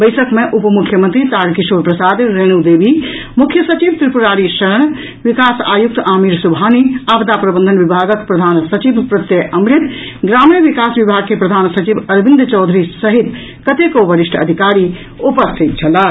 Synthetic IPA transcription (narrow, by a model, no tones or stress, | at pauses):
bəɪsəkmeʔupmukʰːjəmənt̪ɾit̪aɾkisoɾpɾəsad̪ɾeñud̪ebʱi | mukʰjəsət͡ʃibt̪ɾipuɾaɾiʃəɾəɳ̃ | ʋikasa̰juk̚t̪amiɾsubʱaniabd̪apɾəbənd̪ʱənbibʱaɡəkpɾəd̪ʱansət͡ʃibpɾət̪jəʔəmɾit̪ | ɡɾamiəʋikasbibʱaɡ̚kepɾɐd̪ʱansət͡ʃibəɾbĩnd̪ʱt͡ʃɔwd̪ʱɾisəɦit̪ | kət̪ekobəɾiʂʈʰə̰d̪ʱikaɾi | upəst̪ʰit̪̚t͡ʃʰəla